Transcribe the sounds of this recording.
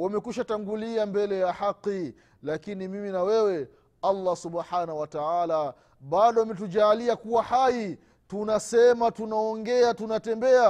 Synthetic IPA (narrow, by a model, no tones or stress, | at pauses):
wamɛkuʃataŋɡuliambɛlɛjahaqːi | lakinimiminawɛwɛ | alːasuɓħanauwataala | ɓaɗɔamɛt̬uʄaːliakuwahai | tunasɛmatunaɔŋɡɛatunatɛmbɛa